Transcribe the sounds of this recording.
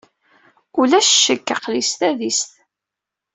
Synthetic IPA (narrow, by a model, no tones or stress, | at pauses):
ulæʃʃəkːaqlist̪æðisθ